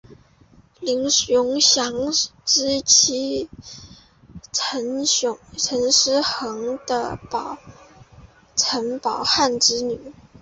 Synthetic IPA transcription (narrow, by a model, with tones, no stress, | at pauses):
li˧˥ŋjʊ˧˥ŋɕjɑ˧˥ŋʈ͡ʂɻ̩˥t͡ɕʰi˧˥ | ʈ͡ʂʰə˧˥nʊ˧˥ŋʈ͡ʂʰə˧˥nʂɻ̩˥xɤ˧˥ŋd̪ə̰˧pɑ˨˩ʊ | ʈ͡ʂʰə˧˥npɑ˨˩ʊxa˥˩nʈ͡ʂɻ̩˧˥ny˨˩˦